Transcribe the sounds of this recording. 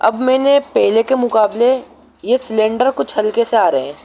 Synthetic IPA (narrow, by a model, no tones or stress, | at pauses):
ɐ̰bmɛ̃ːnepɛɦlekemʊkaːble | jesɪlẽːɳɖəɾkʊt͡ʃʰɦɐlkeseaːɾeɦɛ̃ː